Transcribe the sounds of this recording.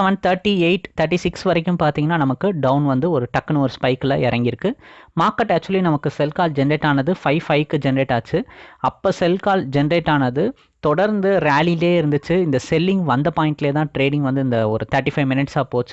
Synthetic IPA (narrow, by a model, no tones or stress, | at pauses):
ʋɐnt̪ʰɐɾʈːieɪʈt̪ʰːɐɾʈ̬ːisɪksʋɐɾɐkʲːɯmpaːɾt̪iːŋɡɐnːaːnɐmɐkːɯɖɐʊnʋɐnd̪ɯɔɾɯʈɐkːɐnɯɐɾɯspɐɪkɪlɐ̰ɪɾɐŋɡɪɾɯkːɯmaːɾkːɐʈːæːk̚t͡ʃːʊʋɐlinɐmɐkːɯsɛlkaːld͡ʒɛnɐɾeːʈːaːnɐðɯfɐɪfɐɪʋkːɯd͡ʒɛnɐɾeːʈːaːt͡ʃːɯɐpːoːsɛlkaːld͡ʒɛnɐɾeːʈːaːnɐðɯ | t̪ɔɽɐɾnd̪ɯɾɪjaːlileːɪɾɯnd̪ɯt͡ʃːɯɪnd̪ɐsɛlːɪŋɡʋɐnd̪ɐpaːɪ̃ɳʈɪleːt̪ãːʈɾeːɖɪ̃ŋɡʋɐnd̪ɯɪnd̪ɐɔɾɯt̪ʰɐːɾʈːifɐɪʋmɪnɪʈsaːpoːt͡ʃː